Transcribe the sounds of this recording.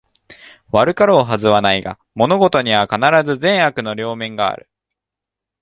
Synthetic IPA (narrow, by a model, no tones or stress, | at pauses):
βaɾɯ̟kaɾo̞ːɦazɨβanaiɡa̰ | mo̞no̞ɡo̞t̪o̞ɲ̟iβakanaɾazɨzẽ̞ɰ̃hakɯ̟no̞ɾʲo̞ːmẽ̞ŋɡa̰ːɾɯ̟̰